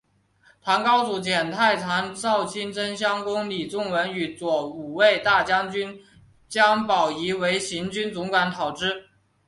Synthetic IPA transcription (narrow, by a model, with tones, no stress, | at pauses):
t̪ʰa˧˥ŋkɑ˥ʊt͡su˧˥˩t͡ɕjɛ˨˩nt̪ʰa˥˩ɪt̪ʰa˧˥nt͡sɑ˥˩ʊt͡ɕʰi˥nʈ͡ʂə˥nɕjɑ˥ŋkʊ˥ŋli˨˩t͡sʊ˥˩ŋwə˧˥ny˧˩t͡swɔ˨˧˩u˨˩we˥˧ɪt̪a˥˩t͡ɕjɑ˥ŋt͡ɕy˥n | t͡ɕjɑ˥ŋpɑ˨˩ʊi˧˥we˧˥ɪɕi˧˥nt͡ɕy˥nt͡sʊ˧˥ŋkwa˧˥nt̪ʰɑ˨˩ʊʈ͡ʂɻ̩˥˩